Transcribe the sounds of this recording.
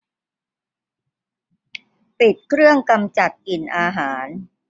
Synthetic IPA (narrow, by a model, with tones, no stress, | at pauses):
pi˨˩t̪̚kʰɾɯ˥˩əŋka˧mt͡ɕa˨˩t̪̚ki˨˩nʔaː˧ɦaː˩˦n